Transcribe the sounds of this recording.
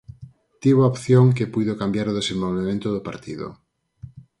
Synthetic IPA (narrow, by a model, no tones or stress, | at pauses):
t̪iβoaopθjoŋk̬epujðokambjaɾoðesẽmbolβemẽnt̪ʊðʊpaɾt̪iðo̰